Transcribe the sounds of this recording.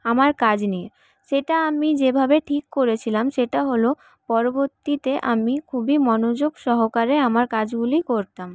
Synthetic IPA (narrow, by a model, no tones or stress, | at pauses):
amaɾkad͡ʑnie | ʃeʈaamid͡ʑebʱabeʈʰikːoɾet͡ɕʰilamʃeʈaɦolo | pɔɾoboɾt̪ːit̪eʔamikʰubimɔnod͡ʑoɡʃɔɦokaɾeamaɾkad͡ʑɡulikoɾt̪am